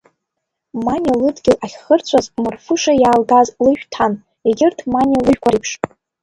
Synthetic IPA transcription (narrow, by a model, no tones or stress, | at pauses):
manʲilɨdɡʲɪlʔaχʲχərt͡sʷʰazmarfɨʂajaːlɡazlɨʃᶣtʰan | eɡʲɪrtʰmanʲilɨʒᶣkʷʰaɾipʰʂ